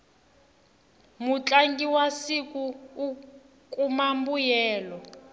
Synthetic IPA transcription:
mut͡ɬʼaŋɡiwasikuː | kʼumambujɛːlɔ

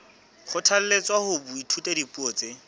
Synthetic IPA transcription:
χʊtʰal̩let͡swahʊbʊitʰutedipʼuoːt͡se

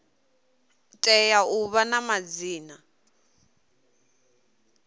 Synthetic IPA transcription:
tʼɛjauβanamad͡ziːna

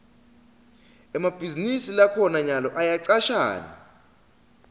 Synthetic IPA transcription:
ɛmab̥ʱizinisilakʰɔnaɲalɔʔajaǀaʃa̰ːna̰

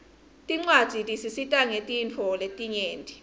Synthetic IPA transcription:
tʼiŋ͡ǀwad̥z̥ʱitʼisisitʼaŋetʼint͡fʰɔletʼiɲeːntʼi̥

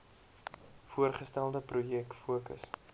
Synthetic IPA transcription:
fuərχəstælˠdəprujɛkfuəkə̰s

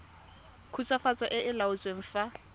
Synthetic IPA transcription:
kʰut͡sʼwafat͡sʼɔʔɪʔɪlaʊt͡sʼweŋ̩fa

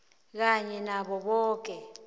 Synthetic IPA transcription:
k̬aɲɛnaɓɔɓɔːk̬ʼɛ

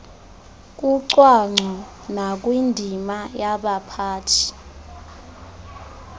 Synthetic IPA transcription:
k̬ʼuǀwaŋ͡ǀʱɔ | nak̬ʼwindʱimajaɓapʰaːtʰi̥

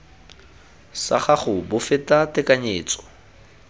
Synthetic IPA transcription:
sa̰χaχʊbʊfɪtʼatɪkʼaɲeːt͡sʼɔ̥

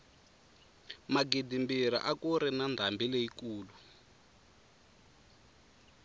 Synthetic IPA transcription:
maɡidimbiɾa̰ʔakuɾɛnand̪ʱambileikuːlu

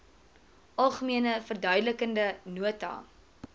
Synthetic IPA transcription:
ʔɐlˠχəmiənəfərdœɥdələkəndənuətɑ̰ː

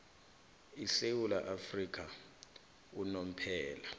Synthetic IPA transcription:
isewulaʔafrik̬ʰʼa | unom̩pʰɛːla

